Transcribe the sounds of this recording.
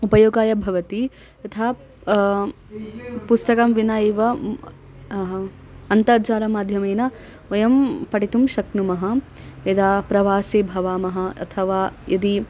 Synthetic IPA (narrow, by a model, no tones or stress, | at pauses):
upɐjoːɡaːjɐbʱɐʋɐt̪i | t̪ɐt̪ʰaː | pust̪ɐkɐmʋinɐeːʋɐ | ɐnt̪ɐɾt͡ʃaːɾɐmaːd̪ʱjɐmeːnɐ | ʋɐjɐmpɐʈit̪umʃɐknumɐɦɐ | ed̪aːpɾɐʋaːseːbʱɐʋaːmɐɦɐɐ̰t̪ʰɐʋaːjɐd̪i